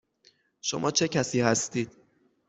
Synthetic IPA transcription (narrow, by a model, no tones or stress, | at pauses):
ʃo̰mʔɒːt͡ʃʰe̞cʰæsiːhæst̪iːd̪̥̚